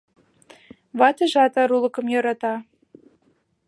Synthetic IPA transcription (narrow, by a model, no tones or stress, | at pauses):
βɑt̪ɤ̆ʒɑt̪ɑɾulˠɤ̆kɤ̆mjɤ̆ɾɑt̪ɑ